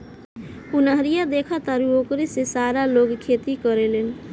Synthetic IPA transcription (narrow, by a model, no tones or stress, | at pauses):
unʌɦʌɾijad̪ekʰʌt̪aɾuokɾisesaɾaloɡkʰet̪ikʌɾelen